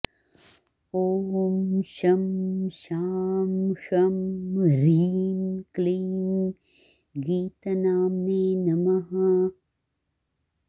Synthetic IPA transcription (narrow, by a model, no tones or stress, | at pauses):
oːmʃɐmʃaːmʃɐmɾinkliːn | ɡiːt̪ɐnaːmneːnɐmɐɦɐ